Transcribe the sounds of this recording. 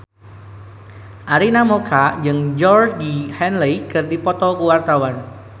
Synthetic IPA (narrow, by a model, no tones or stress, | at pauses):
ʔaɾinamokʰad͡ʒɨŋd͡ʒɔrsdihɛnlejkɨrdipɔt̪ɔkuwart̪awan